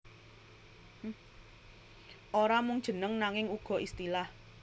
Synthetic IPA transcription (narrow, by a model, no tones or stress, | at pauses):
ʔoɾamʊŋd̥ʒ̥ə̤nəŋnaŋɪŋuɡ̥ɔ̤ist̪ilah